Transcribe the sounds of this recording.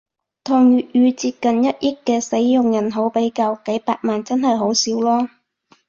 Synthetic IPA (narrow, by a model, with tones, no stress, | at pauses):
t̪ʰɔː˨˩ŋjyː˨t̚jyː˨˧t͡siː˧p̚kɐ˨njɐ˥t̚jɪ˥kːɛː˧se˨˥jːʊ˨ŋjɐ˨˩nɦo˨˥wpe˨˥jka˧wke˨˥jpaː˧t̚maː˨nt͡sɐ˥nɦɐ˨jɦo˨˥wsiː˨˥wlɔː˥